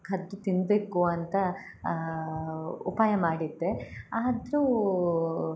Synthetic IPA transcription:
kʰɐd̪ːut̪inbeːkuɐnt̪ɐ | upaːjɐmaːɽid̪ːeaːd̪ɾu

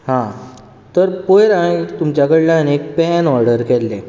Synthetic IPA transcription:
hã | t̪əɾpojɾait̪umt͡ɕjakəɽlãnek̚pɛnɔɾɖəɾkɛlːe

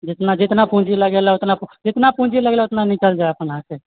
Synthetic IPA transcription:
d͡ʒɪt̪nad͡ʒɪt̪napũd͡ʒiləɡelaʊt̪napd͡ʒɪt̪napũd͡ʒiləɡelʊt̪nanikəld͡ʒaeəpənɦãke

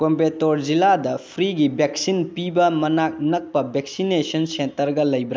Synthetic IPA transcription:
kompetoɾd͡ʒiladɐpʰɾiɡibek̚sinpibɐmɐnak̚nɐk̚pɐbek̚sinesɐnsentɐɾɡɐlɐjbɾ

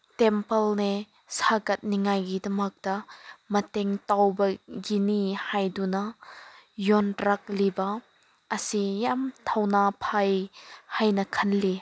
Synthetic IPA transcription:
tɛmpɐlne | saɡɐt̚niŋajɡidɐmɐk̚d̥ɐmɐteŋtawbɐɡinihajdunɐ | jɔntɾak̚libɐ | ʔɐsijamtʰawnapʰajhajnɐkʰɐnli

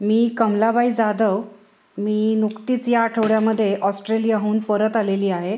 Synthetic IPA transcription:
miːkəmlabaid͡zad̪əw | miːnukt̪it͡sjaːʈʰəʋɽjaməd̪ʱːjeʔɔsʈɾelijaɦuːnpəɾət̪aleliːaɦe

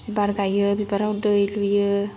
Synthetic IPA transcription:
ibaɾɡajɯbibaɾawdɯjlujɯ

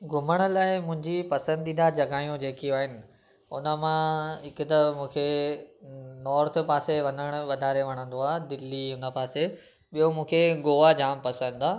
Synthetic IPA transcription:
ɡʱʊməɽ̃ʊ̆laːɪmʊ̃ɦɪ̃ɲd͡ʑipɐsə̃nd̪iːnd̪ad͡ʑɐɡaːjũd͡ʑeːkiũaːɦɪnɪ̆ | ʊ̰nə̆mãɦɪkʊt̪ɐmũːkʰe | nɔːɾt̪ʰʊpaːseʋɐ̃nəɽ̃ʊ̆ɓɐd̪ʱaːɾeʋɐɽ̃ə̃nd̪oaːd̪ɪlːiʊnə̆paːse | ɓijomũːkʰeɡoːad͡ʑaːmpɐsə̃nd̪aː

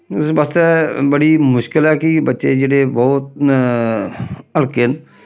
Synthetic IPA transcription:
ɪsbəst̪ebəɽimʊʃkɪlɛːkibətːʃed͡ʒeɽebɔːʊt̪̚ | əlken

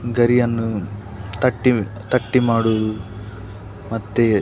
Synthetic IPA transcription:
ɡɐɾijɐnːut̪ɐʈːit̪ɐʈːimaːɽuʋɐd̪u | mɐt̪ːe

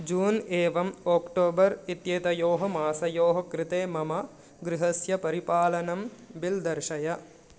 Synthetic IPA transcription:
d͡ʒuːneːʋɐmoːkʈoːbɐɾit̪jeːt̪ɐjoːɦɐmaːsɐjoːɦɐkɾɪt̪eːmɐmɐ | ɡɾɪɦɐsjɐpɐɾipaːlɐnɐmbild̪ɐɾʃɐjɐ

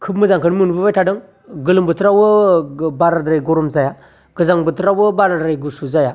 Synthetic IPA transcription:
kʰɯp̚mɯzaŋkʰɯnmɯnbɯbajtʰadɯŋ | ɡɯlɯmbɯtʰɾawɯbaɾadɾajɡɔɾɔmzaja | ɡ̥ɯzaŋbɯtʰɾawɯbaɾadɾajɡusuzaja

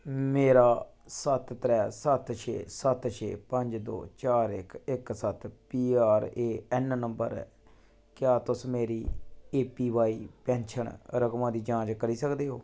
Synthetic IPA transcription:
meːɾaːsət̪t̪ɾɛːsət̪ʃʰḛːsət̪ʃʰḛːpə̃ɲd͡ʒd̪o̰ːt͡ʃaːɾɪ̰kɪksət̪piːaːɾeːɛːnnəmbə̰ɾ̰ | kɪjaːt̪ʊsmeːɾiːeːpiːʋaːiːpɛ̃ːnʃəɳɾəkmãːd̪iːd͡ʒãːd͡ʒkəɾiːsəkd̪eːɦoː

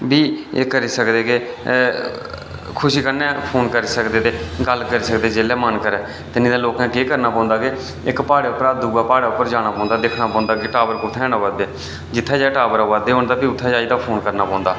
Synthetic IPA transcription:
biːeːkəɾiːsəkd̪eːkeː | kʰʊʃiːkəɾnɛ̃ːpʰoːnkəɾiːsəkd̪eːt̪eːɡəlkəɾiːsəkd̪eːd͡ʒeːlɛːmənkəɾɛː | t̪ɪnĩːd̪aːloːkãːkeːkəɾnaːpɔ̃ːnd̪aːkeː | ɪkpaːɽaːʊpːəɾaːd̪uːɡaːpaːɽaːʊpːəɾd͡ʒaːɽ̃ãːpɔ̃ːnd̪aːd̪eːkʰnaːpɔ̃ːnd̪aːkeːʈaːbəɾkoːt̪ʰɛ̃ːnaːʋaːd̪eː | d͡ʒɪt̪ʰːɛːd͡ʒaːʈaːbəɾaːʋaːd̪eːɦoːɳd̪aːbiːʊt̪ʰːɛːd͡ʒaːiːd̪aːpʰoːnkəɾnaːpɔ̃ːnd̪aː

